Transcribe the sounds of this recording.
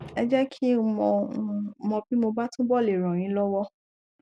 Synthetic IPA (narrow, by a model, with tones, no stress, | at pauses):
ɛ˧d͡ʒɛ˦kʰi˦˨mɔ̃˧˦˧mɔ̃˧bi˦mo˧ba˦tũ˦bɔ˦˨le˨ɾ̃ɔ̃˨ɾ̃ĩ˨˦lɔ˦wɔ˦